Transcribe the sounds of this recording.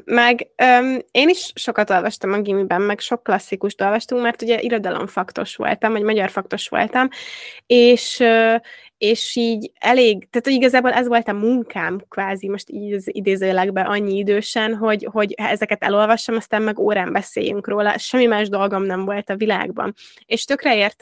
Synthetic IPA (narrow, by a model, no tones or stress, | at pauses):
mɛɡøːmeːniʃʃo̞kɒt̪o̞lvɒʃt̪ɒmɒɡimibɛmːɛɡʃo̞kːlɒsːikuʃt̪o̞lvɒʃt̪uŋkmɛrt̪uɟɛʔiɾo̞d̪ɒlʔo̰ɱfɒkt̪o̞̰ʃʋo̰lt̪ɒmvɒɟmɒɟɒrfɒk̚t̪o̞ʃʋo̞̰lt̪ɒmeːʃøː | eːʃiːɟɛleːɡt̪aːt̪hoɟiɡɒzaːbolʔɛzʋo̞lt̪ɒmuŋkʰaːmkvaːzimo̞ʃt̪iːzid̪eːzøːlɛɡbɛʔɒɲːiid̪øːʃɛnɦo̞ɟho̞ɟɛzɛkɛt̪ɛ̰lo̞lvɒʃt̪ɒmɒst̪aːmːɛɡoːɾaːmbɛsḛːjy̰ŋkroːlɒ̰ʃɛmːimaːʒd̪o̞lɡo̞mnɛɱvo̞lt̪ɒvila̰ːɡbɒ̰n | eːʃt̪ø̞krɛeːrt̪